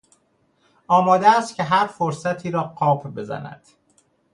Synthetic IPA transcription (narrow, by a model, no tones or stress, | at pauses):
ɒːmɒːd̪eːst̪cʰe̞ɦæɾfoɾsæt̪ʰiːɾɒːɢɒːpʰbe̞zæ̰næ̰d̪̥